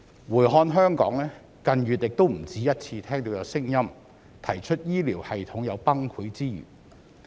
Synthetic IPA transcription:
wuː˨˩jɦɔː˧nɦœː˥ŋkɔ̰ː˨˥ŋlɛː˥ | kɐ˨˧njyː˨t̚jɪ˨k̚t̪o˥wm̩˨˩t͡siː˨˥jɐ˥t̚t͡sʰiː˧t̪ʰɛː˥ŋt̪o˧wjɐ˨˧wsɪ˥ŋjɐ˥m | t̪ʰɐ˨˩jt͡ʃʰɵ˥t̚jiː˥liː˨˩whɐ˨jt̪ʰʊ˨˥ŋjɐ˨˧wpɐ˥ŋkʰuː˨˥t͡siː˥jy̰ː˨˩

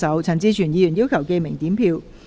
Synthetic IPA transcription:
sɐ˨˥wt͡sʰɐ˨˩nt͡siː˧t͡ʃʰyː˨˩njiː˨˧jyː˨˩jiː˥wkʰɐ˨˩wke˧jmɪ˨˩ŋt̪iː˨˥mpʰiː˧w

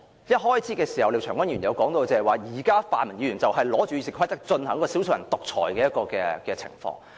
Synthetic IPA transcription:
jɐ˥t̚ɦɔː˥jt͡sʰiː˨˥kɛː˧si˨˩hɐ˨wle˧wt͡ʃʰœː˨˩kʷwɐ˥nɥyː˨˩njɐ˨˧wkɔː˨˥ŋt̪o˧wt͡sɛː˧hɐ˨˩waː˨˩jiː˨˩kaː˥faː˨nmɐ˨ni˨˧ɥy˨˩nt͡sɐ˨wɦɐ˨jlɔː˨˥t͡ʃyː˨jiː˧sɪ˨˩kʰɐ˥jt̪ɐ˥k̚t͡ʃɵ˧nhɐ˨˥ŋ˥kɔː˧si˨˥wso˧jɐ̰˨˩nt̪ʊ˨k̚t͡ʃʰɔ̰ː˨˩jkɛː˧jɐ˥t̚kɔː˧kɛ̰ː˧kɛː˧t͡sʰɪ̰˨˩ŋfɔ̰ː˧ŋ

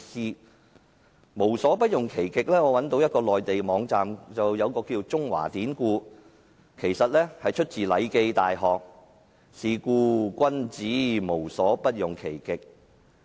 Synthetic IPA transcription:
siː˧ | mo˨˩wsɔː˨˥pɐ˥t̚jʊ˨ŋkʰe˨˩jkɪ˨k̚lɛː˥ŋɔː˨˧wɐ˨˥nt̪o˧wjɐ˥t̚kɔː˧lɔː˨jt̪e˨jmɔː˨˧ŋt͡saː˨mt͡sɐ˨wjɐ˨˧wkɔː˧kiː˧wt͡sʊ˥ŋwa̰ː˨˩t̪iː˨˥nkuː˧ | kʰe˨˩jsɐ˨t̚lɛ˥hɐ˨jt͡ʃʰɵ˥t̚t͡siː˨lɐ˨˧jke˧jt̪aː˨jɦɔː˨k̚ | siː˨˩kuː˧kʷɐ˥nt͡siː˨˥mo˨˩wsɔː˨˥pɐ˥t̚jʊ˨ŋkʰe˨˩jkɪ˨k̚

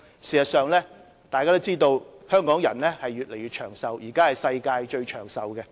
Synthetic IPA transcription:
siː˨˩sɐ˨t̚sœː˨ŋlɛː˥ | t̪aː˨jkaː˥t̪o˥wt͡siː˥t̪o˧whœː˥ŋkɔː˨˥ŋjɐ̰˨˩nlɛː˥hɐ˨jɥyː˨t̚le˨˩jɥyː˨˧t̚t͡ʃʰœ̰ː˨˩ŋsɐ˨wjiː˨˩kaː˥hɐ˨jsɐ˧jkaː˧jt͡ʃɵ˧ɥt͡ʃʰœː˨˩ŋsɐ˨wɡɛ˧

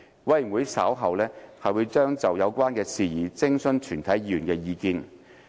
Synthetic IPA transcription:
wɐ˨˧jwuː˨˥jsaː˨˥wɦɐ˨wlɛː˥hɐ˨jwuː˨˧jt͡ʃœː˥ŋt͡sɐ˨wjɐ˨˧wkʷwaː˥nkɛː˧siː˨jiː˨˩t͡sɪ˥ŋsɵ˧˥nt͡ʃʰyː˨˩nt̪ʰɐ˨˥jjyː˨˩nkɛː˧jiː˧kiː˧n

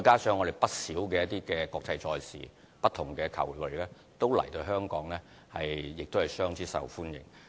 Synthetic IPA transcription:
jkaː˥sœː˧ŋːɔː˨˧de˨jpɐ˥t̚siː˨˥wkɛː˧jɐ˥t̪̚iː˥kɛː˧kɔː˧k̚t͡sɐ˧jt͡sɔː˧jsḭː˨˩ | pɐ˥t̪̚ʰːʊ˨˩ŋkɛː˧kʰɐ̰˨˩wɵ˨˩lɛː˥ | t̪o˥wlɐ̰˨˩jt̪o˧wɦœː˥ŋkɔː˨˥ŋlɛː˥ | hɐ˨jjɪ˨k̚t̪o˥hɐ˨jsœː˥ŋt͡sʰiː˨˥sɐ̰˨wfuː˥njɪ̰˨˩ŋ

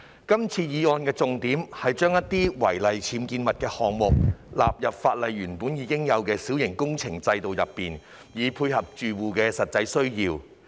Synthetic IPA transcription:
kɐ˥mt͡sʰiː˧jiː˨˥ɔː˧nkɛː˧t͡sʊ˨ŋt̪iː˨˥mhɐ˨jt͡ʃœː˥ŋjɐ˥t̪iː˥wɐ˨˩jlɐ˨jt͡sʰiː˨˥mkiː˧nmɐ˨t̚kɛː˧hɔː˨ŋmʊ˨k̚la̰ː˨p̚jɐ˨p̚faː˧t̚lɐ˨jɥyː˨˩npuː˨˥njiː˨˧kɪ˥ŋjɐ˨˧wkɛː˧siː˨˥wjɪ˨˩ŋkʊ˥ŋt͡sʰɪ˨˩ŋt͡sɐ˧jt̪o˨wjɐ˨pːiː˨n | jiː˨pʰuː˧jhɐ˨p̚t͡ʃyː˨wuː˨kɛː˧sɐ˨t̚t͡sɐ˧jsɵ˥ɥjiː˧w

